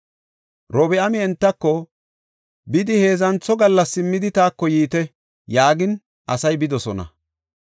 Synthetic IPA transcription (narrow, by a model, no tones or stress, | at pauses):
ɾɔbɛɐmɪɛnt̪ːɐkːɔ | bɪd̪ɪhe̞ːzɐnt͡sːɔɡɐlːɐsːɪmːɪd̪ɪt̪aːkːɔjiːt̪ɛ | jaːɡɪn | ʔɐsɐjbɪd̪ɔsɔnɐ̰